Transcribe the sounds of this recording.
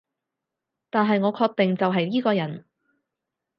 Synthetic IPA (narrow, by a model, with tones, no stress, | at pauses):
t̪aː˨nɦɐ˨jŋɔː˨˧kʰɔː˧k̚t̪ɛ˨ŋt͡sɐ˨wɦɐ˨jjiː˥kɔː˧jɐ˨˩n